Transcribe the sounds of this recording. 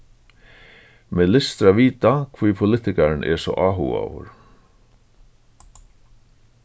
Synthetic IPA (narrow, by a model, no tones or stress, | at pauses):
mɛːlɪst̪ɾaʋiːt̪akʰvijpʰʊlɪht̪ɪkaɾnʔɛ̰sɔ̰ʔaːɦṵa̰vʊ̰ɾ